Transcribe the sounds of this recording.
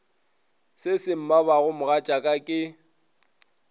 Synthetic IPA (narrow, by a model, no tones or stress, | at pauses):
sɪsɪm̩maβaɣʊmʊɣat͡ʃʼakʼakʼɪ